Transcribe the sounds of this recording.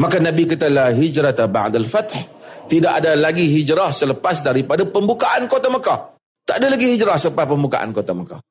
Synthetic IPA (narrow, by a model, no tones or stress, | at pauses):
makanãbikat̪alaɦid͡ʒɾat̪aba̰ʕd̪alfat̪ht̪idaʔadalaɡiɦid͡ʒɾahsələpasdaɾipadapəmbukaʔankot̪aməkah | t̪aʔadalaɡihid͡ʒɾahsələpaspəmbuka̰ʔa̰nkot̪aməka̰h